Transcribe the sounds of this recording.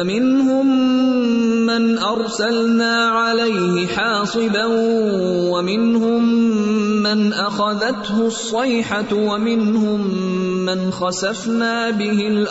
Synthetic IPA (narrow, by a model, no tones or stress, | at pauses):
mɪnhʊmː | anʔɑɾˤsalnaːʕalajhɪħɑːsˤɨban | wamɪnhʊmː | anʔaxaðat̪hʊsˤːɑjħawamɪnhʊmːanxasafnaːbɪhɪl